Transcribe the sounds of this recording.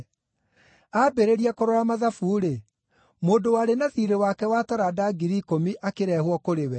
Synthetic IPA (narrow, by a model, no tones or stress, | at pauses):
abeɾeɾiakoɾoɾamaðafuːɾe | moːdowaːɾenaðiɾewakɛwataɾadaɡiɾikomiʔakeɾɛːhwɔkoɾewɛ